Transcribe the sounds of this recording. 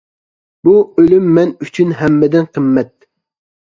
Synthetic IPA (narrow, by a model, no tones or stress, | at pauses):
b̥uølymːɛnyt͡ʃʰynɦɛmːɛd̪ɪnqʰəmːɛt̪̚